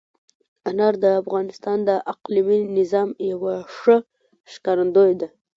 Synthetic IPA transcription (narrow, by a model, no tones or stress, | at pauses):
anɑɾd̪əafɣɑnɪst̪ɑnd̪əʔaqliminɪzɑmjawaʂə | ʃkɑɾand̪ojd̪a